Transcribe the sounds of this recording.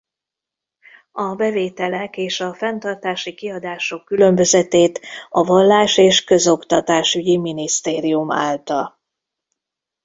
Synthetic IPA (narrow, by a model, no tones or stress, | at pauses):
ɒbɛveːt̪ɛlɛkeːʃɒfɛnt̪ɒrt̪aːʃikiɒd̪aːʃo̞kːylø̞mbø̞zɛt̪eːt̪ɒvɒlːaːʃeːʃkø̞zo̞kt̪ɒt̪aːʃyɟiminist̪eːɾijuma̰ːlt̪ɒl